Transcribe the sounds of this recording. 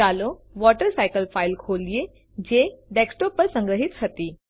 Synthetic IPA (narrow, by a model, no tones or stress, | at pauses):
aːloʋɔʈəɾsaɪkəlfʰaɪlkʰoːlie | d͡ʒeɖeksʈopəɾsə̃ŋɡɾəɦit̪ɦət̪iː